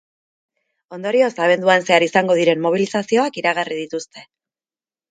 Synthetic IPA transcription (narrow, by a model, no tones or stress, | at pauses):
o̞nd̪o̞ɾio̞saβ̞e̞nd̪uanse̞aɾisaŋɡo̞ð̞iɾe̞mmːo̞β̞ilisasio̞akiɾaɣarið̞it̪ust̪e̞